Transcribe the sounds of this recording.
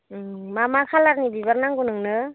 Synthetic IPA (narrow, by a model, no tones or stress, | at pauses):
mamakʰalaɾnibiβaɾnaŋɡunɯŋnɯ